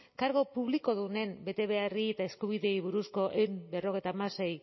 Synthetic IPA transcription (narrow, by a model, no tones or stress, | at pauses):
kaɾɣo̞puβ̞liko̞ðune̞mbe̞t̪e̞βe̞ariet̪aeskuβ̞iðe̞iβuɾusko̞ʔembe̞ro̞ɣe̞jt̪aːmase̞j